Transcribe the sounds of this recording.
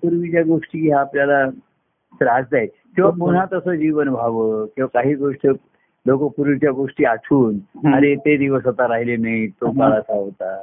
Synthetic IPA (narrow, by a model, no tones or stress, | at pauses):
puɾʋit͡ɕjaɡoʂʈiːɦaːpljala | sɾad͡zd͡z̪aje | kĩw̃ʋapuɽ̤at̪əsəd͡ʑiʋənbʱaʋəkĩw̃ʋakaɦiːɡoʂʈə | lokəpuɾʋit͡ɕjaɡoʂʈiːaʈʰuːnaɾet̪ed̪iʋəsat̪aɾaɦilenait̪okaɾasaɦot̪a